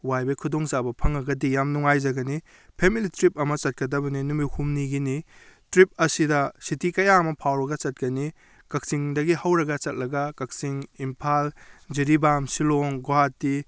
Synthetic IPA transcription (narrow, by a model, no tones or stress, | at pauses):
wajbɐjkʰudoŋzabɐpʰɐŋɐɡɐdijamnuŋajzɐɡɐni | pʰemilitɾip̚ɐmɐt͡ʃɐt̚kɐdɐbɐninumihumniɡinitɾip̚ɐsidɐsitikɐjaɐmɐpʰawɾɐɡɐt͡ʃɐt̚kɐni | kɐk̚siŋdɐɡihɐwɾɐɡɐt͡ʃɐt̚lɐɡɐkɐk̚siŋimpʰald͡ʒiɾibamsiloŋɡoɦatːi